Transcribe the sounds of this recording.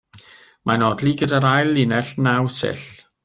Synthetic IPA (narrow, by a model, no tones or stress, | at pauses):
mʔanɔdliɡədaɾajlːɪnɛɬnawsɪ̰ɬ